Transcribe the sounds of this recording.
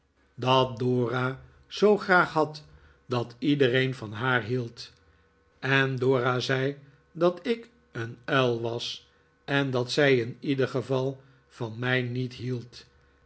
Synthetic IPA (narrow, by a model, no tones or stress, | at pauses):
dɑt̚doːra | z̥owχraːχɦɑt | dɑtidərejnvɑnɦaːɹɦilˠt | ɛndoːrazɛj | dɑtɪk | ənɛlˠʋɑs | ɛndɑtsɛjɪnidəχəvɑlˠ | fɑnmɛjnitɦilˠt